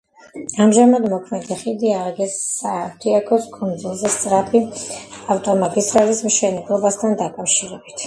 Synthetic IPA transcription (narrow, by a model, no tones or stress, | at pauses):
amʒamad̪mɔkʰmɛd̪ɛχid̪iaɾɡɛsːaft̪ʰiakʰɔskʰʼund̪zulˠzɛst̪sʼɾapʰiaft̪ʼɔmat̪ʼisɾalismʃɛnɛblˠɔbast̪ʰand̪akʼafʃiɾɛbit̪ʰ